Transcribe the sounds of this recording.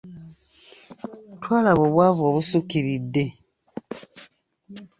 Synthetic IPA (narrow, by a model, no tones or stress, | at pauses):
twalaβoβwaβaβusukiɾide